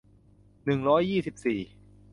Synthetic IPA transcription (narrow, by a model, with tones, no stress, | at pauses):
nɯ˨˩ŋɾɔː˦˥jːiː˥˩si˨˩p̚siː˨˩